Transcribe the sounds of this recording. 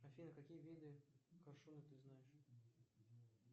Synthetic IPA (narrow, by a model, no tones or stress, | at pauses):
ɐfʲinəkɐkʲijəvʲid̪ɨkɐrʂunɨt̪ɨznajɪʂ